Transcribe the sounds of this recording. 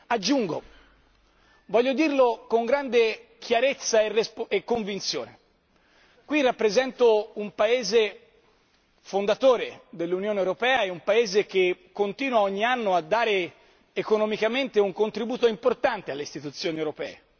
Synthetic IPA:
ad͡ʒːuŋɡo̰ | vɔʎːod̪irlokoŋɡɾand̪ekʰjaɾet̪sːaerespekːoɱvint̪sjo̰ːne | kwirapːɾezɛnt̪oumpaeːze | fond̪at̪oːɾed̪elːunjoːnewɾopɛːaɛumpaeːzek̟ekːont̪iːnwaɔɲːianːoad̪ːaːɾeː | konɔmikament̪euŋkont̪ɾibuːt̪oimport̪ant̪ealːeist̪it̪ut̪sːjoːniewɾopɛ̰ːe

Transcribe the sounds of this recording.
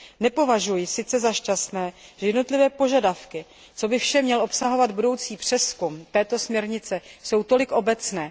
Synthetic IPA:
nɛpo̞vaʒujɪsɪt͡sɛzaʃcast̪nɛːʒɛjɛdno̞t̪lɪvɛːpo̞ʒadafkɪ | t͡so̞bɪfʃɛmɲɛlʔo̞psaɦo̞vad̪budo̞wt͡siːpr̝̥ɛskumt̪ɛːt̪o̞smɲɛɾɲɪt͡sɛso̞wt̪o̞lɪkʔo̞bɛt͡snɛː

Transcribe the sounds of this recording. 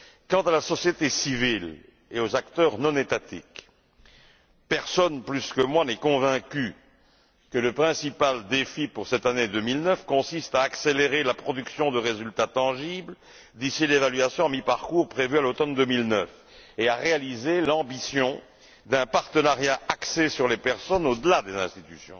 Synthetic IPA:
kɑ̃t̪alasɔsjet̪esivil | eozakt̪œʁnɔ̃net̪at̪ḭk | pɛʁsɔnplyskəmwanɛkɔ̃vɛ̃kʲy | kələpχɛ̃sipald̪efipuʁsɛt̪aned̪ømilnœfkɔ̃sist̪aːkseleʁelapχɔd̪yksjɔ̃d̪əʁezylt̪at̪ɑ̃ʒibl | d̪isilevalɥasjɔ̃amipaʁkuʁpχevyalot̪ɔnd̪əmilnœf | eaʁealizelɑ̃bisjɔ̃ | d̪ɛ̃paʁt̪ənaʁjaʔaksesyʁlepɛʁsɔnod̪əlad̪ezɛ̃st̪i̥t̪ysjɔ̰̃

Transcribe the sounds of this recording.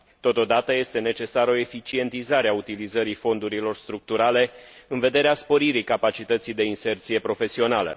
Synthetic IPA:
t̪o̞t̪o̞d̪at̪əje̞st̪e̞ne̞t͡ʃe̞saɾəo̞e̞fit͡ʃie̞nt̪izaɾeaut̪ilizəɾifo̞nd̪uɾilo̞rst̪ɾuk̚t̪uɾale̞ɨnve̞d̪e̞ɾeaspo̞ɾiɾikapat͡ʃit̪ət̪sijd̪e̞inse̞rt̪sije̞pɾo̞fe̞sio̞nalə̰

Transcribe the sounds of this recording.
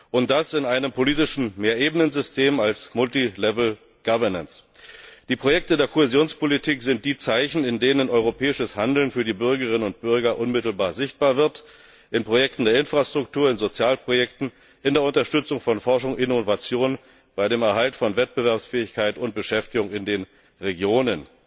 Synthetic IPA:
ʔʊnt̚d̥asɪnaɪnəmpʰoliːtɪʃn̩meːɐʔeːbənənzʏstʰeːmalsmʊltilɛvl̩ | ɡ̥avɐnəns | d̥iːpʁ̥ojɛk̚tədeːɐkʰohezjoːnspolitʰiːkz̥ɪnt̚d̥iːt͡saɪçn̩ɪndeːnənʔɔʏʁ̞opʰɛːɪʃəshandl̩nfyːɐdiːbʏɐɡəʁɪnənʊnt̚b̥ʏɐɡɐʔʊnmɪtl̩baːɐzɪçt̚b̥aːɐvɪɐt | ʔɪnpʁ̥ojɛktn̩deːɐɪnfʁ̥astʁ̥ʊk̚tʰuːɐɪnzot͡sjaːlpʁ̥ojɛktn̩ | ʔɪndeːɐʊntɐʃtʏt͡sʊŋfɔnfɔɐʃʊŋʔɪnovat͡sjoːn | b̥aɪɾeːmɛɐɦaltfɔnvɛt̚b̥əvɛɐpsfɛːɪçkʰaɪtʊnt̚b̥əʃɛftɪɡʊŋɪndeːn | ʁeɡjoːnən

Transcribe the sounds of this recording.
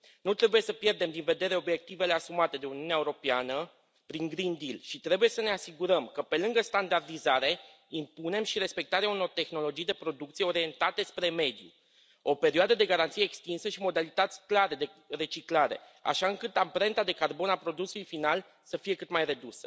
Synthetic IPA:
nut̪ɾe̞buje̞səpje̞rd̪e̞md̪inve̞d̪e̞ɾe̞o̞bje̞k̚t̪ive̞le̞asumat̪e̞d̪e̞uniuneaeuɾo̞peanə | pɾiŋɡɾind̪ilʃit̪ɾe̞buje̞səne̞asiɡuɾəmkəpe̞lɨŋɡəst̪and̪ard̪izaɾe̞ | impune̞mʃiɾe̞spe̞k̚t̪aɾeauno̞rt̪e̞xno̞lo̞d͡ʒijd̪e̞pɾo̞d̪uk̚t̪sieo̞ɾije̞nt̪at̪e̞spɾe̞me̞d̪jṵ | o̞pe̞ɾiad̪əd̪e̞ɡaɾant̪sijeːkst̪insəʃimo̞d̪alit̪at̪sʲklaɾe̞d̪e̞ | re̞t͡ʃiklaɾe̞̰ | a̰ʃaɨŋkɨt̪ampɾe̞nt̪ad̪e̞karbo̞napɾo̞d̪usulujfinal | səfije̞kɨt̪majɾe̞d̪usə̥

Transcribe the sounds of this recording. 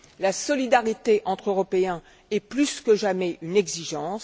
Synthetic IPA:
lasɔlid̪aʁit̪eʔɑ̃t̪χøʁɔpeɛ̃ | ɛplyskəʒamɛʔynɛɡziʒɑ̃s

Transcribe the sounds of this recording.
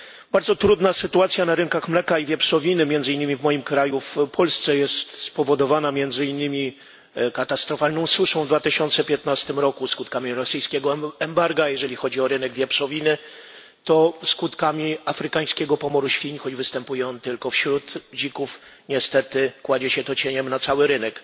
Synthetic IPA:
baɾd̪zɔt̪ɾud̪nasɘt̪uat̪sʲjanaɾɘnkaxmlɛkaivʲjɛpʂɔvʲinɘmʲjɛnzɘiɲnːɘmʲivmɔjimkɾajufpʰɔlst̪sɛjɛst̪spɔvɔd̪ɔvanamʲjɛnd̪zɘinːɘmʲi | kat̪ast̪ɾɔfalnɔ̃w̃suʂɔ̃w̃vd̪vat̪ɘɕɔnt̪sɛpʲjɛt̪nast̪ɘmɾɔkuskut̪kamʲiɾɔsɘjskʲɛɡɔɛmbaɾɡajɛʐɛlʲixɔd͡ʑiɔɾɘnɛɡvʲjapʂɔvʲinɘ | t̪ɔskut̪kamʲiafɾɘkaj̃skʲɛɡɔpɔmɔɾuɕfʲiɲxɔd͡ʑvɘst̪ɛmpujɛɔnt̪ɘlkɔfɕɾut̪d͡ʑikuf | ɲɛst̪ɛt̪ɘkwad͡ʑɛɕɛt̪ɔt͡ɕeɲɛmnat̪sawɘɾɘnɛk

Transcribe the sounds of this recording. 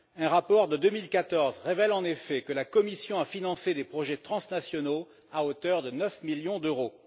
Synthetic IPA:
ɛ̃ʁapɔʁd̪əd̪ømilkat̪ɔʁzʁevɛlɑ̃nefɛkəlakɔmisjɔ̃afinɑ̃sed̪epχɔʒɛt̪χɑ̃snasjɔno | aot̪œʁd̪ənœfmiljɔ̃d̪øʁo

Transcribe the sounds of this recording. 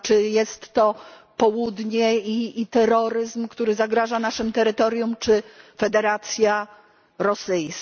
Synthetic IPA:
t͡ʂɘjɛst̪ːɔ | pɔwud̪ɲɛiːt̪ɛɾɔɾɘzmkt̪uɾɘzaɡɾaʐanaʂɘmt̪ɛɾɘt̪ɔɾʲjumt͡ʂɘfɛd̪ɛɾat̪sʲja | ɾɔsɘjs

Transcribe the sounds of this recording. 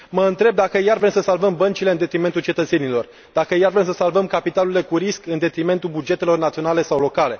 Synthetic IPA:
məɨnt̪ɾe̞b̚d̪akəjarvɾemsəsalvəmbənt͡ʃile̞ɨnd̪e̞t̪ɾime̞nt̪ult͡ʃe̞t̪ət̪se̞nilo̞r | d̪akəjarvɾe̞msəsalvəmkapit̪alule̞kuɾiskɨnd̪e̞t̪ɾime̞nt̪ulbud͡ʒe̞t̪e̞lo̞rnat̪sio̞nale̞sawlo̞kale̞

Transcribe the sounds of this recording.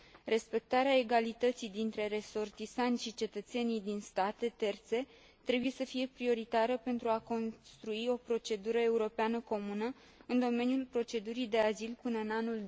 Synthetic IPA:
re̞spe̞k̚t̪aɾeae̞ɡalit̪ət̪sijd̪int̪ɾe̞ɾe̞so̞rt̪isant̪ʲʃit͡ʃe̞t̪ət̪se̞nijd̪inst̪at̪e̞t̪e̞rt̪se̞ | t̪ɾe̞buje̞səfije̞pɾio̞ɾit̪aɾəpe̞nt̪ɾuako̞nst̪ɾuio̞pɾo̞t͡ʃe̞d̪uɾəe̞uɾo̞peanəko̞munə | ɨnd̪o̞me̞nijulpɾo̞t͡ʃe̞d̪uɾijd̪e̞azilpɨnəɨnanul

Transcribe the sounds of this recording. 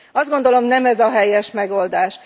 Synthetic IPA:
ɒzd̪ɡo̞nd̪o̞lo̞mnɛmɛzɒɦɛjɛʃmɛɡo̞ld̪aːʃ

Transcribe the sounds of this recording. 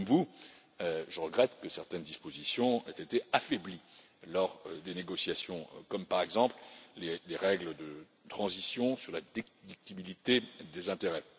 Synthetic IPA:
mvu | øʒəʁəɡʁɛt̪kəsɛʁt̪ɛnd̪ispozisjɔ̃ḛt̪et̪eafɛbli | lɔʁd̪eneɡɔsjasjɔ̃kɔmpaʁɛɡzɑ̃plleleʁɛɡləd̪ə | t̪χɑ̃zisjɔ̃syʁlad̪ekd̪ik̚t̪ibilit̪ed̪ezɛ̃t̪eʁɛ

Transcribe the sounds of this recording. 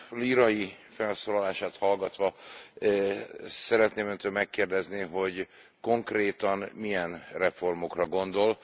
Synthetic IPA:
liːɾɒji | fɛlsoːlɒlaːʃaːt̪hɒlɡɒt̪ʋɒ | sɛɾɛt̪neːmønt̪øːlmɛkːeːrd̪ɛzniɦo̞ɟ | ko̞ŋkreːt̪ɒnmijɛnrɛfo̞rmo̞krɒɡo̞nd̪o̞l

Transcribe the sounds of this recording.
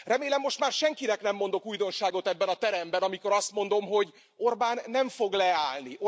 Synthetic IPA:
rɛmeːlɛmːo̞ʃt̪maːrʃɛŋkinɛknɛmːo̞n̪d̪o̞kuːjd̪o̞nʃaːɡo̞t̪ɛbːɛnɒt̪ɛɾɛmbɛnɒmiko̞ɾɒst̪mo̞nd̪o̞mɦo̞ɟ | o̞rbaːnːɛɱfo̞ɡlɛaːlniʔo

